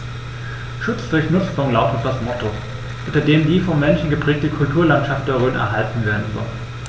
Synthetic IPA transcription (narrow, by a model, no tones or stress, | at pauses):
ʃʊt͡sd̥ʊɐçnʊt͡stʊŋlaʊtət̚d̥asmɔtʰo | ʔʊntɐdeːmdiːfɔmːɛnʃn̩ɡəpʁ̥ɛːk̚təkʰʊltʰuːɐlantʃaftəʁøːnɛ̰ɐɦaltn̩veːɐdn̩zɔ̰lən